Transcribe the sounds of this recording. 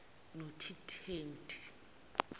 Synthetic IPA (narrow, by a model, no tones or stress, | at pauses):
notʰitʰeːntʰʼi̥